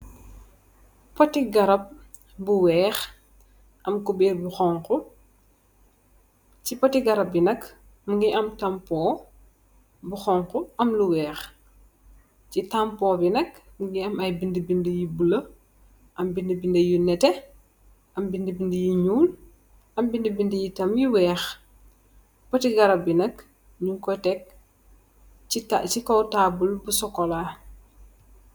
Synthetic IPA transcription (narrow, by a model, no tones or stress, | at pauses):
pɔtiɡɐɾɐp̚ | buwɛːx | ʔɐmkubɛːɾbuxɔŋku | cipɔtiɡɐɾɐp̚binɐk | muŋɡiʔɐmtɐmpɔː | buxɔŋkuɐmluwɛːx | citɐmpɔːbinɐkɡiɐmɐjbindəbindəjibulɐ | ʔɐmbindibindɐjunɛtɛ | ɐmbindibindijiɲuːl | ɐmbindibindəjitɐmjiwɛːx | pɔtiɡɐɾɐbinɐk | ɲuŋkɔjtɛk̚ | itat͡ʃikɔwtaːbulbusɔkːɔlaː